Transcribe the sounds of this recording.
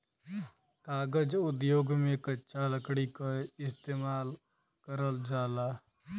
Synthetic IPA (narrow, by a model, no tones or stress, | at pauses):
kaːɡəd͡ʒʊd̪joːɡmẽkəːt͡ʃaləkɽikaɪst̪eːmaːl | kəɾəld͡ʒaːlaː